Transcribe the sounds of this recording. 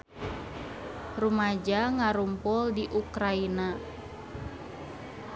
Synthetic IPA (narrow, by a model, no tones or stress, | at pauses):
rumad͡ʒaŋaɾumpɔldiʔukɾaina